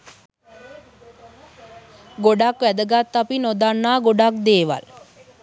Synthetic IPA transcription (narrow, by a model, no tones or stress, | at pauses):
ɡoɖakʋæd̪əɡat̪ːapinod̪anːaːɡoɖak̚d̪eːʋa̰l